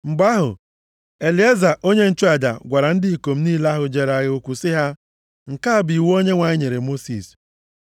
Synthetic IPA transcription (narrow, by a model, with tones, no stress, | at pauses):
mŋ͡m̩˨ɡ͡ba˦ɦʊ̰˨ | e˨li˨˦e˦za˨ʔo˦ɲe˦n̩˦t͡ʃu˦a˨da̰˨ɡʷa˨ɾa˨n̩˦dɪ˦i˨ko˨m̩˦ni˦la˦ɦʊ˨d͡ʒe˨ɾa˦ɣe˦o˦kʷu˨sɪ˦ɦa˦ | ŋ̩˨ka˦a˨bi˨wo˦ɲe˦ŋʷa˨ɲɪ˦ɲe˨ɾe˨mo˦sḭ˨s